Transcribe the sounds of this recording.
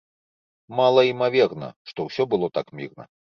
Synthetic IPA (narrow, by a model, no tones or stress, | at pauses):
malˠɐimavʲɛrnɐ̰ʂt̪ɔwsʲɔbɨlˠɔt̪akmʲirnɐ̰